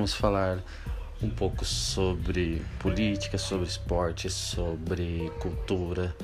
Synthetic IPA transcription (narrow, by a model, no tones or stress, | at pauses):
mʊsfalaɾ | ũpowkʊsobɾɪpolit͡ʃi̥kɐsobɾɪspɔɾt͡ʃɪssobɾɪkuwt̪uɾɐ